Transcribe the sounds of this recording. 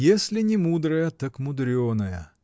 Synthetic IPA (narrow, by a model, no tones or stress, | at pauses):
jesʲlʲɪnʲɪmud̪ɾəjət̪ɐkmʊd̪ɾʲonɐjə̰